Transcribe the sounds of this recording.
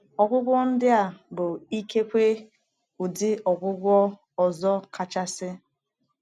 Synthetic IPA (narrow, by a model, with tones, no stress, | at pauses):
ɔ˨ɡʷʊ˦ɡʷɔ˦n̩˦dɪ˦a˨bʊ˨i˦ke˦kʷe˦ | u˨dɪ˦ɔ˨ɡʷʊ˦ɡʷɔ˦ | ɔ˨zɔ˦ka˨t͡ʃa˦sɪ˦